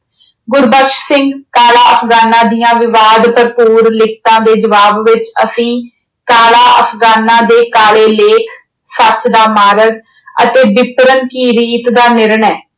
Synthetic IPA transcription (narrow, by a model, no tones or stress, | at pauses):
ɡʊɾbəkʃsɪ̃ŋɡkaːlaːəpʰɡaːnãːd̪ijãːʋɪʋaːd̪pəɾpuːɾlɪk̚ʰt̪ãːd̪eːd͡ʒəʋaːbʋɪt͡ʃəsĩː | kaːlaːəpʰɡaːnãːd̪eːkaːɭeːleːkʰ | sət͡ʃd̪aːmaːɾəɡ | ə̰t̪eːbɪpɾənkiːɾiːt̪d̪aːnɪɾɳɛː